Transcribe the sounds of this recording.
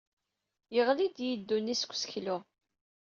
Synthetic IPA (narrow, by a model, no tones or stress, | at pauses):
jəʁlid̪jid̪ːunːiskʷːsçlʊ